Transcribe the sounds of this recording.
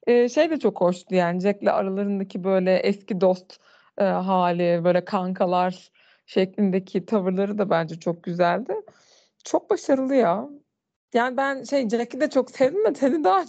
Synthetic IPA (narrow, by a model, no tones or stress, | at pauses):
ɛːʃejd̪ɛt͡ʃʰo̞kho̞ʃt̪ˠujaːnid͡ʒɛclʲɛ̰ʔa̰ɾalˠaɾɯnd̪acʰibø̞jlʲɛʔɛscid̪o̞st̪ː | ɦaːlʲibø̞ːlʲɛkʰaŋkʰalˠaɾ | ʃɛclʲind̪ecʰit̪ʰavɯɾlˠaɾɯd̪abænd͡ʒɛt͡ʃʰok̚ɟyzælʲd̪ɪ | t͡ʃʰo̞k̚baʃaɾɯlˠɯja | jaːnibænʃejd͡ʒɛcʲid̪ɛt͡ʃʰoksɛvimɛt̪ʰenid̪a